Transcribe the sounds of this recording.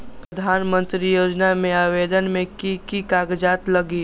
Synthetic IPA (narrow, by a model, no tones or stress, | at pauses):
pɾəd̪ʱaːnmə̃nt̪ɾijoːd͡ʒnamẽaːʋeːd̪ənmẽkikikaːɡd͡ʒaːt̪ləɡi